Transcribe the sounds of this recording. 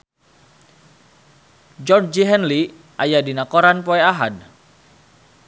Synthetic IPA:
d͡ʒɔrd͡ʒd͡ʒiɦɛnli | ʔajadinakoɾanpoeaɦad

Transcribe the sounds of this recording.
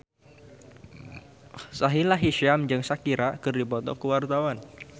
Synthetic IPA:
saɦilaɦiʃamd͡ʒɨŋsakiɾakɨrdipɔt̪ɔ̰kəwart̪awan

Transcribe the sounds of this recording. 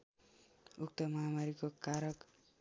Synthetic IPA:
uk̚t̪ʌmʌɦamaɾikokaɾʌk

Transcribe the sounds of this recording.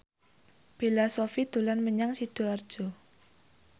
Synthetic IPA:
filasofid̪̥ulanməɲaŋsid̪̥oar̥d͡ʒ̥o

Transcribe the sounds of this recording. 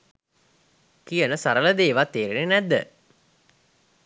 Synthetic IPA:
kijənəsaɾələd̪eːʋat̪ːeːɾenenæd̪ːə̰

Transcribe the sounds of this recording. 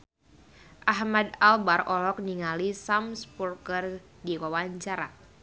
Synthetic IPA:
ʔaɦmad̪albarɔlɔk̚niŋalisamspurkər | diwawaɲt͡ʃaɾa

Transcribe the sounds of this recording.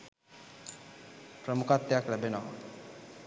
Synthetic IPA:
pɾəmukat̪ːjaklɛbenɔɦ

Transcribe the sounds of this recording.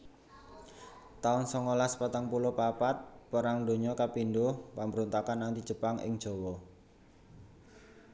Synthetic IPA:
t̪aʊnsɔŋolaspat̪aŋpulɔpapat̪̚pəɾaŋd̪o̤ɲɔkapindʊhpambəɾunt̪akanːant̪id̥ʒ̥ə̤paŋɪ̰ŋd̥ʒ̥o̤wɔ

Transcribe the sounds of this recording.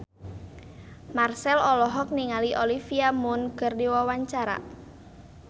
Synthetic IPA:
marsɛlɔlɔɦɔk̚niŋaliʔolifiamʊnɡ̥ərdiwawaɲt͡ʃaɾa̰

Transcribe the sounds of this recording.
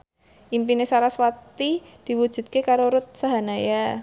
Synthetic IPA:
ʔimpinesaɾaswat̪i | d̥i̤wud̥ʒ̥ṳt̪̚kekaɾoɾʊt̪̚saɦanaja

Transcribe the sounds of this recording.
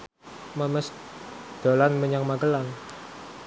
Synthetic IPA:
mamɛsd̪̥o̤lanməɲaŋmakəlaŋ

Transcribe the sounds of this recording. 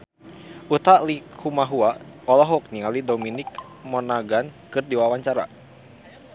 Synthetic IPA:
ʔut̪alikʰumaɦuaɔlɔɦɔk̚niŋalidɔminik̚ | mɔnaɡankɨrdiwawaɲt͡ʃaɾa̰

